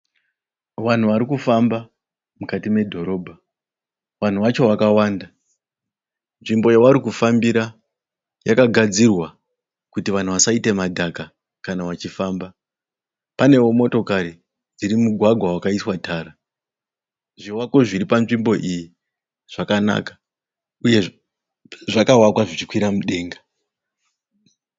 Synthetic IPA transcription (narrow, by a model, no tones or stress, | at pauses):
ʋan̤uʋaɾikufamba | mukatime̞dʱo̞ɾo̞ːbʱa | ʋan̤uʋat͡ʃo̞ʋakawaːnda | nʐimbo̞jawaɾikufambiɾa | jakaɡʱad͡zirwa | kutiʋan̤uʋasaite̞madʱaka | kanaʋat͡ʃifaːmba | pane̞womo̞to̞kaɾi | d͡ziɾimuɡʱwaɡʱwawakaiswataːra | ʐiwako̞ʐiɾipanʐimbo̞ʔiji | ʐ̥akana̰kḁ | uje̞ | ʐakaɦwakwaʐit͡ʃikwiɾamuɗe̞ːŋɡa